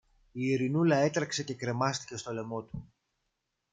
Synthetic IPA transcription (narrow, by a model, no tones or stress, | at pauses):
iːɾinulɐe̞t̪ɾɐkse̞ce̞kɾe̞mɐst̪i̥ce̞st̪o̞le̞mo̞t̪u